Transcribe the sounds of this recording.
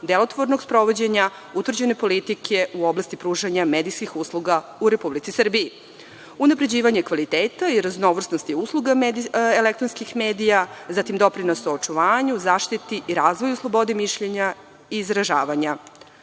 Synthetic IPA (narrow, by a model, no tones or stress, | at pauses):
d̪elo̞t̪ʋoɾnoɡspɾo̞ʋo̞d͡ʑeɲa | ut̪ʋrd͡ʑene̞po̞lit̪ikʰe̞uo̞blˠast̪ipɾuːʒaɲame̞ːd̪ijskixuslˠuɡauɾe̞publit̪isr̩biji | unapɾe̞d͡ʑiːʋaɲekʋalit̪eːt̪aiɾazno̞ʋr̩snost̪iuslˠuɡamd̪elek̚t̪ɾonskixmeːd̪ijazat̪imd̪o̞pɾinosoot͡ʃuʋaːɲuzaːʃt̪it̪iʔiɾaːzʋo̞juslˠo̞bo̞d̪emiʃʎe̞ɲa | iːzɾaʒaːʋaɲa